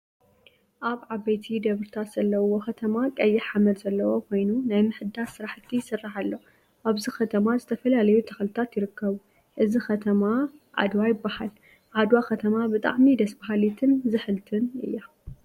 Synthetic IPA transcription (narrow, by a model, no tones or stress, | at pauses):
ʔaβʕaβejt̪ʰid̪ɐβɾɨt̪ʰat̪z̥ɐlːɐwoxɐt̪ʰɐmakʼɐjːɪħamɐlzɐlːɐwo̞kʰo̞jnunajmɨħɨd̪aɾsɨɾaħt̪ʰːisɨrːaħalːo̞ | ʔaβzixɐt̪ʰɐmazɨt̪ʰɐfɐlalɐjut̪ʰɐxlɨt̪ʰat̪jɪɾɨkʰːɐβu | ʔɨzixɐt̪ʰɐmaʕa̰d̪wajɪbːahal | ʕad̪wakɐt̪ʰɐmabɨt̪ʼa̰ʕmid̪ɐsbaɦalit̪ʰɨnzɨħɨlt̪ʰɨnɨ̰jːa